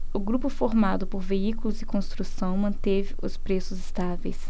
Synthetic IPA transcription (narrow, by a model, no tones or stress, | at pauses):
ʊɡɾupʊfoɾmad̪ʊpoɾveikulʊzɪkõst̪ɾusɐ̃w̃mɐ̃nt̪evɪʊspɾesʊzɪst̪avḛjs